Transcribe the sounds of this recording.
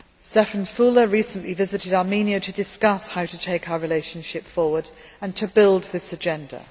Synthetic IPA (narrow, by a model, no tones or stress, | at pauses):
stɛfə̃nfuːləɹiˑsə̃nʔlivɪzɪtɪdɑɹmĩniəʊtʰədɪskʌshaʊtətʰeɪkʰaʊəɹɪleɪʃə̃nʃɪpfɔːwəd | ə̃ntʰəbɪlˠd̪̚ðɪsəd͡ʒɛ̃ndə̰